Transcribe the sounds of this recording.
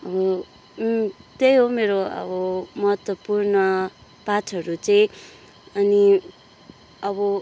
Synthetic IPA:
ʌbʌ | t̪ejɦomeɾoʌ̰bʌmʌɦʌt̪wʌpurnʌpatʰʌɾut͡sʌĩ | ʌni | ʌbʌ

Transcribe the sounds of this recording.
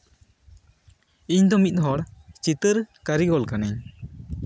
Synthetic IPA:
iɲd̪ɔmit̪̚ˀɦɔɽt͡ʃit̪əɾkaɾiɡɔlkanaɲ

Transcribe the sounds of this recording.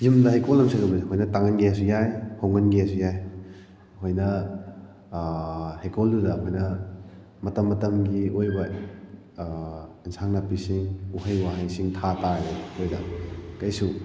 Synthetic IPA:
jimdɐhejkolɐmsʰɐŋɐbɐziɦojnɐtaŋɐnɡesujajhoŋɐnɡesujaj | hojnɐ | hekʰoldudɐkʰojnɐ | mɐtɐmːɐtɐmɡiojbɐ | insaŋnɐpisiŋuhɐjwaɦɐjsiŋtʰataɾekʰojdɐ̰kɐjsu

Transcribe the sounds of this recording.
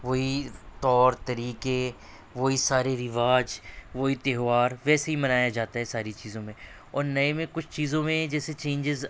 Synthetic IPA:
ʋoɦit̪ɔːɾt̪ɐɾiːke | ʋoisaːɾeɾɪʋaːd͡ʒʋoɦit̪eːɦʋaːɾʋɛːseɦimɐnaːjad͡ʒaːt̪aɦɛsaːɾit͡ʃiːzõmẽ | ɔːɾnɐemẽkʊt͡ʃʰt͡ʃiːzõmẽd͡ʒɛːset͡ʃẽːɲd͡ʒɪz

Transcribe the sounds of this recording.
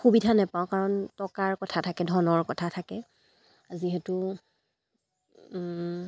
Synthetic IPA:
xubidʱanɛpãʊ̃kaɹɔntɔkaɹkɔtʰatʰakɛdʱɔnɔɹkɔtʰatʰakɛ | aziɦɛtʊ

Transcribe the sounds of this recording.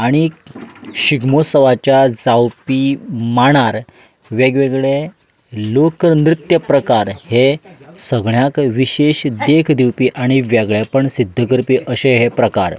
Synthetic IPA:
aɽ̃i | ɕiɡmosəʋat͡ɕjad͡zawpimaɽ̃aɾ | ʋeɡʋeɡɭe | lokɾnɾit̪jəpɾəkaɾhesəɡɳjakʋiɕeɕd̪ekʰd̪iwpiːʔaɽ̃iʋjɛɡɭjapəɳsid̪ʱːəkəɾpiːʔəɕeɦepɾəka̰ɾ

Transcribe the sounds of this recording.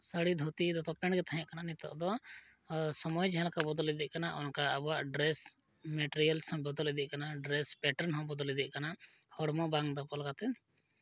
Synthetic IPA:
səɽid̪ʱot̪iʔd̪ɔt̪ɔpɛɳɡɛt̪aɦɛ̃ʔkananit̪ɔ̰ʔd̪ɔ | sɔmɔjd͡ʒɦɛ̃lkabɔd̪ɔlid̪iʔkanaʔɔnkaəbaʔɖɾɛs | mɛʈeɾijəlsɔ̃mbɔd̪ɔlid̪iʔ̚kanaɖɾɛspɛʈəɾnɦɔ̃bɔd̪ɔlid̪iʔkana | hɔɽmɔbaŋɡd̪ɔpɔlkat̪ɛ

